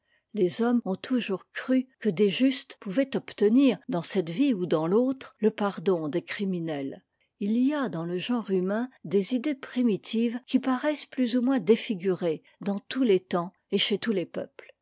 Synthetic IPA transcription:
lezɔmɔ̃t̪ʰuʒuʁkχykəd̪eʒyst̪puvɛt̪ɔpt̪əniʁd̪ɑ̃sɛt̪viud̪ɑ̃lot̪χləpaʁd̪ɔ̃d̪ekχiminɛl | iliad̪ɑ̃ləʒɑ̃ʁymɛ̃d̪ezid̪epχimit̪ʰivkʲipaʁɛsplyzumwɛ̃d̪efiɡʲyʁe | d̪ɑ̃t̪ulet̪ɑ̃ | eʃet̪ulepœ̰pl

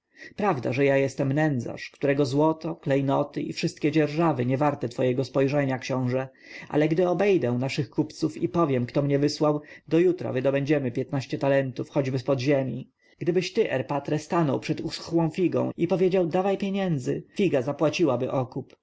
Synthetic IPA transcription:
pɾavd̪a̰ʐɛjajɛst̪ɛmnɛnd̪za̰ʂkt̪uɾɛɡɔzwɔt̪ɔklɛjnɔt̪ɘḭfʂɘst̪̚kʲɛd͡ʑɛɾʐavɘɲɛvaɾt̪ɛt̪fɔjɛɡɔspɔjʐɛɲakɕɔ̃w̃ʐɛ | ʔa̰lɛɡd̪ɘɔbɛjd̪ɛw̃naʂɘxkupt̪sufipɔvʲjɛmkt̪ɔmɲɛvɘswawd̪ɔjut̪ɾa̰vɘd̪ɔbɛɲd͡ʑɛmɘpʲjɛt̪naɕt͡ɕɛt̪alɛnt̪ufxɔd͡ʑbɘspɔd̪ʑemʲi | ɡ̥d̪ɘbɘɕt̪ɘʔɛɾpat̪ɾɛst̪anɔwpʂɛt̪usxwɔ̃w̃fʲiɡɔ̰̃w̃ipɔvʲjed͡ʑawd̪avajpʲjeɲɛnd̪zɘfʲiɡazapwat͡ɕiwabɘʔɔkup

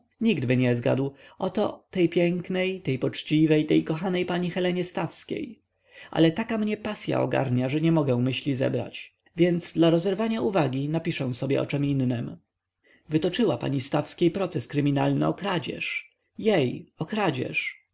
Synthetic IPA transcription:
ɲiɡd̪bɘɲɛzɡa̰d̪wɔt̪ɔ̰t̪ɛjpʲjɛŋknɛjt̪ɛjpɔt͡ʂt͡ɕivɛjt̪ɛjkɔxanɛjpaɲixɛlɛɲɛst̪afskʲḛj | ʔa̰lɛt̪akamɲɛpasʲja̰ɔ̰ɡa̰ɾɲaʐɛɲɛmɔɡɛw̃mɘɕlʲizɛ̰bɾa̰t͡ɕ | vʲjɛnd̪zd̪laɾɔzɛɾvaɲauvaɡʲinapʲiʂɛw̃sɔbʲjɛ̰ʔɔ̰t͡ʂɛminːɘm | vɘt̪ɔt͡ʂɘwapa̰ɲist̪afskʲejpɾɔt̪sɛskɾɘmʲinalnɘ̰ɔkɾad͡ʑɛ̰ʂ | jejɔkɾad͡ʑɛ̰ʂ

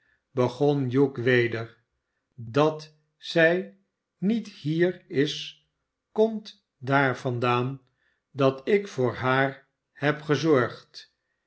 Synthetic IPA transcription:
bəχonjukʋejdəɹ | dɑt | sɛj | nithiːɹɪs | kɔmt | daːɹvɑndaːn | dɑtɪkfʊːɹɦaːɹ | hɛpχəzɔɹχt

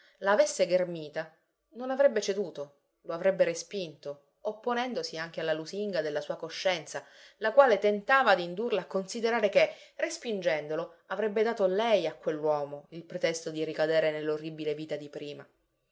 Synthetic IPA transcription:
laːvesːeɡermiːt̪a | nonavɾɛbːet͡ʃed̪uːt̪o | loavɾɛbːeɾespint̪o | opːonɛnd̪osiaŋk̟ealːaluziŋɡad̪elːasuːakoʃːɛnt̪sa | lakwaːlet̪ent̪aːvad̪ind̪urlaːkːonsid̪eɾaːɾeke | respind͡ʒɛnd̪olo | avɾɛbːed̪aːt̪olɛjakːwelːwɔːmoilpɾet̪ɛst̪od̪iɾikad̪eːɾenelːorːibileviːt̪ad̪ipɾiːma

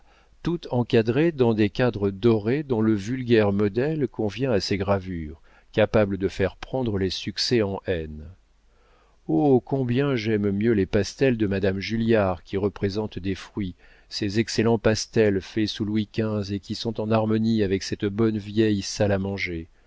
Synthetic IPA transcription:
t̪ut̪ɑ̃kad̪ʁed̪ɑ̃d̪ekad̪ʁəd̪ɔʁed̪ɔ̃ləvylɡʲɛʁmɔd̪ɛlkɔ̃vjɛ̃aseɡʁavyːʁ | kapabləd̪əfɛʁpχɑ̃d̪ʁəlesyksɛɑ̃ʔɛn | okɔ̃bjɛ̃ʒɛmmjølepast̪ɛld̪əmad̪amʒyljaʁkʲiʁəpχezɑ̃t̪d̪efχɥi | sezɛkselɑ̃past̪ɛlfɛsulwikʲɛ̃zekʲisɔ̃t̪ɑ̃naʁmɔniavɛksɛt̪bɔnvjɛjsalamɑ̃ʒe

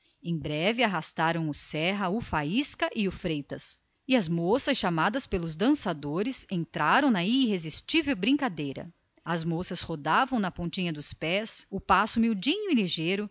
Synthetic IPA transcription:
ẽj̃bɾɛvɪaɦast̪aɾɐ̃w̃ʊsɛɦɐʊfaiskɐʔɪʊfɾejt̪ɐs | ɪɐzmosɐsʃamad̪ɐspelʊzd̪ɐ̃sad̪oɾɪsẽnt̪ɾaɾɐ̃w̃nɐiɦezist͡ʃivewbɾĩŋkad̪ejɾɐ̰ | ɐzmosɐshod̪avɐ̃w̃nɐpõt͡ʃĩɲɐd̪ʊspɛsʊpasʊmiwd͡ʒĩɲʊiliʒejɾʊ

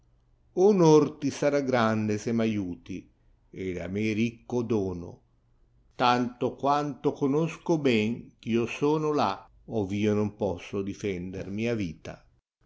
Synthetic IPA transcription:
unort̪isaɾaɡɾand̪esemajuːt̪i | ed̪a̰meɾikːod̪ɔːno̰ | t̪ant̪okwant̪okonoskobɛŋk̟iosɔːnola | oviːonʊmpɔsːod̪ifɛnd̪ḛrmiaviːt̪a̰

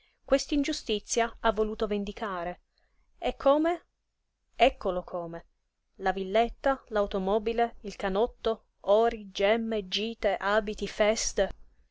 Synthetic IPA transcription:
kwest̪ind͡ʒust̪it̪sːjaavːoluːt̪ovend̪ikaːɾe | ɛkʰːoːme | ɛkːolokʰoːme | lavilːet̪ːalawt̪omɔːbileilkanɔt̪ːo | ɔːɾid͡ʒɛmːed͡ʒiːt̪eʔaːbit̪ifɛst̪e

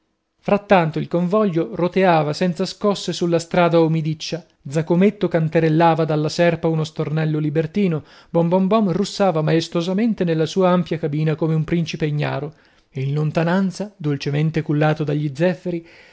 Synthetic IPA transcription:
fɾat̪ːant̪oilkoɱvɔʎːorot̪eaːvasɛnt̪saskɔsːesulːast̪ɾaːd̪aomid̪it͡ʃːa | d̪zakomet̪ːokant̪eɾelːaːvad̪alːasɛrpaunost̪ornɛlːolibert̪iːno | bɔmbɔmbɔmrusːaːvamaest̪ozament̪enelːasuːaampjakabiːnakomeumpɾint͡ʃipeɲːa̰ːɾo | einlont̪anant̪sad̪olt͡ʃement̪ekulːaːt̪od̪aʎːid̪zːɛfːeɾi

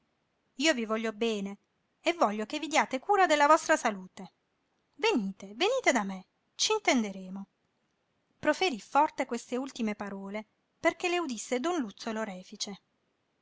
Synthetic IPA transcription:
iːovivɔʎːobɛːneː | vːɔʎːokevːid̪iaːt̪ekuːɾad̪elːavɔst̪ɾasaluːt̪e | veniːt̪eveniːt̪ed̪ame | t͡ʃiːnt̪end̪eɾeːmo | pɾofeɾifɔrt̪ekwest̪eult̪imepaɾɔːle | perkeleud̪isːed̪ɔnlut̪sːoloɾɛːfit͡ʃe

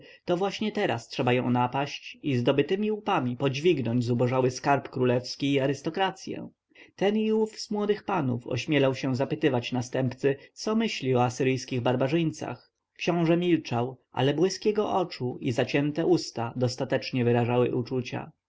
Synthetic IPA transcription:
t̪ɔvwaɕɲɛt̪ɛɾastʂɛbajɔ̃w̃napaɕt͡ɕizd̪ɔbɘt̪ɘmʲiupamʲipɔd͡ʑvʲiɡnɔɲd͡ʑzubɔʐawɘskaɾpkɾulɛfskʲiːaɾɘst̪ɔkɾat̪sʲjɛ̰ | t̪ɛniufzmwɔd̪ɘxpanṵfɔ̰ɕmʲjɛlɔwɕɛzapɘt̪ɘvat͡ɕnast̪ɛmpt̪sɘt̪sɔmɘɕlʲiɔasɘɾɘjskʲiɣbaɾbaʐɘɲt̪sa̰x | kɕɔ̃w̃ʐɛmʲilt͡ʂawʔa̰lɛbwɘskʲɛɡɔʔɔt͡ʂuizat͡ɕɛnt̪ɛʔust̪ad̪ɔst̪at̪ɛt͡ʂɲɛvɘɾaʐawɘ̰ʔut͡ʂut͡ɕa̰

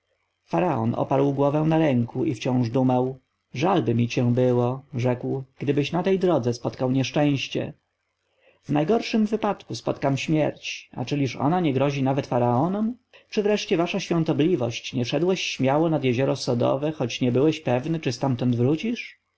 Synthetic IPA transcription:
faɾaɔ̰nʔɔ̰paɾwɡwɔvɛw̃naɾɛŋkuʔift͡ɕɔ̃w̃ʐd̪umaw | ʐalbɘmʲit͡ɕɛ̃bɘwɔʐɛkwɡ̥d̪ɘbɘɕnat̪ɛjd̪ɾɔd̪zɛspɔt̪kawɲɛʂt͡ʂɛ̃w̃ɕt͡ɕɛ̰ | vnajɡɔɾʂɘmvɘpat̪kuspɔt̪kamɕmʲjɛɾt͡ɕa̰t͡ʂɘlʲiʂɔ̰naɲɛɡɾɔʑinavɛt̪faɾaɔnɔmt͡ʂɘvɾɛʂt͡ɕɛvaʂaɕfʲjɔ̃nt̪ɔblʲivɔɕt͡ɕɲɛʂɛd̪wɛɕːmʲjawɔnad̪jɛʑɔɾɔsɔd̪ɔ̰vɛxɔt͡ɕɲɛbɘwɛɕpɛvnɘt͡ʂɘst̪amt̪ɔnd̪vɾut͡ɕiʂ

